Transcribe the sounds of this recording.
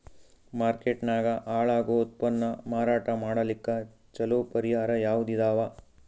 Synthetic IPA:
maːɾkeʈnaːɡɐʔaːɭaːɡoːt̪̚pɐnːɐmaːɾaːʈɐmaːɽɐlikːɐ | t͡ʃɐlopɐɾijaːɾɐjaːʋud̪id̪aːʋɐ

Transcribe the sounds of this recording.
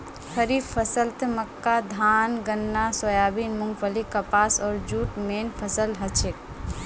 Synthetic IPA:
kʰəɾipʰəsəlt̪məkːad̪ʱaːnɡənːasojaːbinmuŋpʰəlikəpaːsɔːɾd͡ʒuːʈmeːnpʰəsəlɦət͡ʃʰek

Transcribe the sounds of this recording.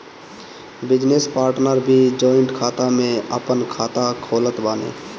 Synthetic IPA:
bɪd͡ʒnespaːɾʈnəɾbʱid͡ʒoːɪɳʈkʰaːt̪amẽəpənkʰaːt̪akʰoːlət̪baːnḛː

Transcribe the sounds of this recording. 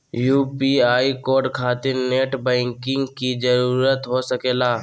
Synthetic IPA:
juːpiaːikoːɾɖkʰaːt̪ɪɾneːʈbɛ̃ːŋkɪ̃ŋɡkid͡ʒəɾuːɾət̪ɦosəkeːlaː

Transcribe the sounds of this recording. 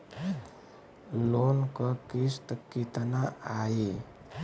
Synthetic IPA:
lonkəkist̪əkːit̪anaai

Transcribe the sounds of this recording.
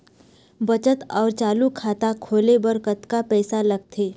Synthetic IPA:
bət͡ʃət̪ɔːɾt͡ʃaːlukʰaːt̪akʰoːlebəɾkət̪kapɛːsalɐɡ̚t̪ʰeː

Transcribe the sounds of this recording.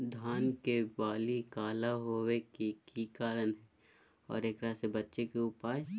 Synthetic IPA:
d̪ʱaːnkebaːlikaːlaɦoːwekikikaːɾənɦɛ | ɔ̰ːɾeːkɾasebɐtːʃekeʊpaːd͡ʒ

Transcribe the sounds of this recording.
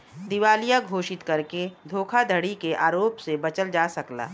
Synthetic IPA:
d̪ɪʋaːlijaɡʱoːʃɪt̪kɐɾked̪ʱoːkʰad̪ʱəɽikeʔaːɾoːpsebɐt͡ʃəld͡ʒaːsɐkla̰ː

